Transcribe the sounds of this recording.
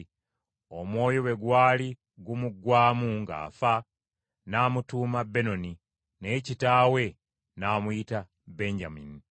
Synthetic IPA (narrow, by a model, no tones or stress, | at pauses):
o̞mwo̞ːjo̞we̞ɡwaːli | ɡumuɡwaːmuŋɡa̰ːfa | namutuːmabe̞no̞ni | ne̞ːcitaːwe̞ | naːmuita | be̞ɲɟamḭni